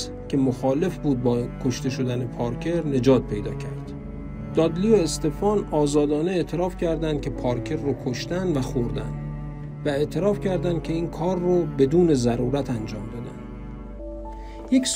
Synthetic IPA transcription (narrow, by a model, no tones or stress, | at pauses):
cʰe̞moxɒːle̞fbuːd̪̚bɒːkʰoʃt̪e̞ʃo̞d̪ænepʰɒːɾkʰe̞ɾne̞d͡ʒɒːt̪̚pʰe̞jd̪ɒ̰ːcʰæɾd̪̥ | d̪̥ɒːd̪lijoest̪e̞fɒːnɒːzɒːd̪ɒːne̞eʔt̪ʰe̞ɾɒːfcʲʰæɾd̪ænd̪̚cʲʰe̞pʰɒːɾcʰe̞ɾːokʰoʃt̪ænd̪væxoɾd̪æ̰nd̪ | væe̞ʔt̪ʰe̞ɾɒːfcʰæɾd̪ænd̪cʰe̞iːnkʰɒːɾːobe̞d̪uːne̞zæɾuːɾæt̪ʰænd͡ʒɒːmd̪ɒd̪ænd̪̥ | jeks